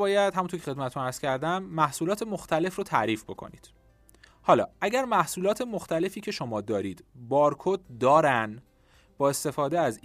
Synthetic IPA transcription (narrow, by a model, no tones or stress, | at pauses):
ɒːjæd̪̥hæmunoɾcʰexemæt̪ʰet̪unæɾz̥cʰæɾd̪æmːæhsuːlɒːt̪ʰe̞moxt̪ʰæle̞frot̪ʰæ̰ʔɾiːfbo̞kʰo̰nḭːd̪̥ | hɒːlɒ̰ːʔæɟæɾmæhsuːlɒːt̪ʰe̞moxt̪æle̞fiːcʰe̞ʃo̞mɒːd̪ɒːɾiːd̪̥bɒːɾkʰot̪̚d̪ɒːɾæn | b̥ɒːe̞st̪e̞fɒːd̪eæz